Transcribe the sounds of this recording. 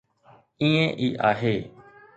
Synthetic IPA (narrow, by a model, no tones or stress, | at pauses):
ĩːẽːʔiːʔaːɦeː